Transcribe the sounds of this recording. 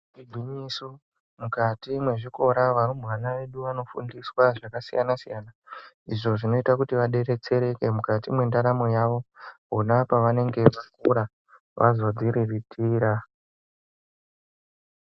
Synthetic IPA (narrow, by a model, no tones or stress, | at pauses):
ibʱwiɲisu | mukatimwe̞ʐiko̞ɾaʋaɾumuʋanaʋe̞ɗuʋano̞fṵndiswaʐakasijanasijana | iʐo̞ʐino̞itakutiʋaɗe̞ɾe̞t͡se̞ɾe̞ke̞mukatimwe̞ndaɾamojaʋo̞ɦonapaʋane̞ŋɡe̞ʋak̚ṵɾa | ʋʔa̰zo̞d͡ziɾiritʰiːɾa